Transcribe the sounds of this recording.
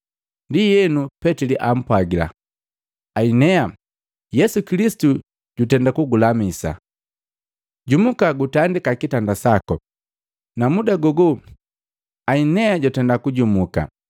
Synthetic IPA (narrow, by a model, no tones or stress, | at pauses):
ndijɛnupɛtiliʔam̩pwaɡila̰ | ainɛa | jɛsukilisi̥tu | ɟ̥utɛndakuɡulamisa̰ | ɟumukaɡutandikakitandasakɔ | namudaɡɔɡu | ainɛaɟɔtɛndakuɟumuka̰